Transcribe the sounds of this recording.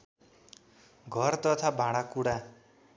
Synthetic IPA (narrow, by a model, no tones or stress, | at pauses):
ɡʱʌrt̪ʌt̪ʰabʱãɽakuɽa